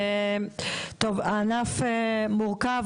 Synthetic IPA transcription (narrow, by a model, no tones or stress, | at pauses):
t̪ovanafemuʁkav